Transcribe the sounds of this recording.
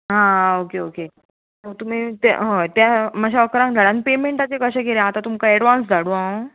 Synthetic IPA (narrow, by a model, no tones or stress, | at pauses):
ɦãokeoke | ɦot̪um̤iːt̪a̰ɦõt̪jaməɕaəkɾãŋkd̪ʱəɽãnpemeɳʈat͡sekəɕaɡeɾjãːt̪at̪umkaɛɽʋãns̬d͡zʱaɽũa